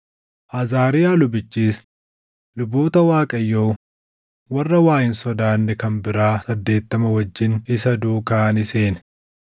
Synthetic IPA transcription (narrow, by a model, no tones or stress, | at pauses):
ʔɐzaːɾɪjaːlʊbɪt͡ʃːiːs | lʊboːt̪ɐwaːkʼɐjːoː | wɐrːɐwaːjɪnsɔd̪aːnːɛkɐnbɪɾaːsɐd̪ːe̞ːt̪ːɐmɐwɐd͡ʒːɪnɪsɐd̪uːkaːnɪse̞ːn